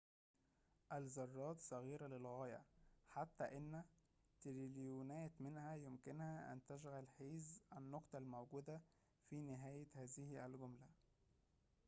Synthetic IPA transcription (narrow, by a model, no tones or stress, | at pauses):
ʔælzɑrˤːɑːt̪sˤɑɣiːɾælelɣɑːjæ̰ħat̪ːæʔɪnː | t̪ɾiljuːnæːt̪mɪnhæjomkɪnhæʔæ̰nt̪æʃ̬ɣælħiːzʔænːoqt̪ˤɑlmowɡuːd̪æ | fiːnɪɦæːjehæːzɪhælɡomlæ